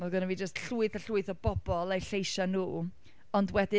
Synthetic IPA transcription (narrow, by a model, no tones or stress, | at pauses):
maðˠɡənɛvid͡ʒəstɬuːɨθaɬuːɨθɔbɔb̥ɔlˠajɬejʃanuː | ɔndwɛdɪ